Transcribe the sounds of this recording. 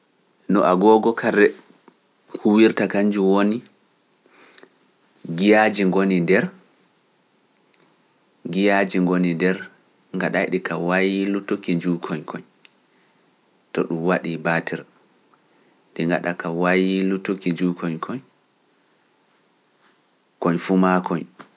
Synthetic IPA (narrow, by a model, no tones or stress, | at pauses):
nɔʔaɡɔɡɔkʰaɾɛ | kʰuwiɾtakaɲd͡ʒuwoni | ɡijad͡ʒiŋɡonindɛɾ | ɡijad͡ʒiŋɡonidɛɾ | ŋɡaɗajɗikawajilutokid͡ʒukʰɔɲkʰɔɲ | tɔɗumwaɗibatʰɛɾ | diŋɡaɗakawajlutːokid͡ʒuːkʰɔɲkʰɔɲ | kɔɲfumakɔɲ